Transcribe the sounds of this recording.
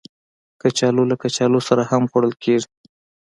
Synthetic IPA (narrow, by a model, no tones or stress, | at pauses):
kat͡ʃɑlolakat͡ʃɑlosaɾahamɣoɽəlkʰeʐi